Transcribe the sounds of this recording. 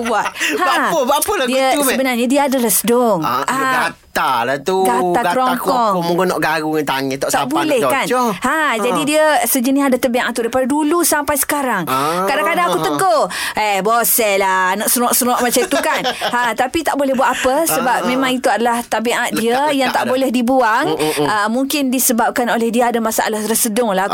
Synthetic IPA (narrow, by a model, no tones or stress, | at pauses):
buaʔ̪aaəbapəladiəsəbənarɲadiəadəlasədʊŋaɡat̪alat̪uɡat̪aɡakɾɔŋkɔmũɡənɔ̰ʔɡaɾuŋant̪aŋət̪at̪aaboalɛhkanhad͡ʒadidiəsəd͡ʒəniadat̪əbiʔa̰ʔt̪ːudajpadadulusampajsə̥kaɾaŋkadaŋkadaŋakut̪əɡoɛbosɛlanɔʔsəɾɔʔsəɾɔʔmat͡ʃãit̪ukanhat̪apit̪aʔbolɛhbuat̪apəsəbap̚mẽmãŋit̪uadalaht̪abeʔat̪̚diəjaŋt̪aʔbolɛhdibuaŋəmuŋkɪndisəbap̚kanolɛhdiəadamasaʔa̰lahɾəsədʊŋla